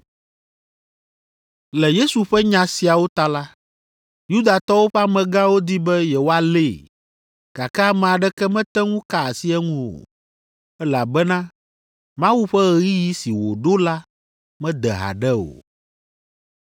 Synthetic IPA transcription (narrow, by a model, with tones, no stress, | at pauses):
lɛ˨je˦su˨ɸɛ˦ɲã˨si˨a˨wo˦t̪a˦la˦ | ju˦d̪a˨t̪ɔ˦wo˦ɸɛ˦a˦mɛ̃˨ɡã˦wo˦d̪i˦bɛ˦jɛ˨wo˦a˨le˦˨ | ka˨kɛ˦a˦mɛ̃˨a˨ɖɛ˦kɛ˦mɛ̃˦t̪ɛ˦ŋũ˦ka˦a˨si˦ɛ˦ŋũ˦wo̰˨ | ɛ˦la˨bɛ˦nã˦ | mã˦wu˦ɸɛ˦ɣɛ˨ɣi˦ji˦si˨wo̰˨ɖo˦la˦ | mɛ̃˦d̪ɛ˨ɦa̰˨ɖɛ˦o̰˨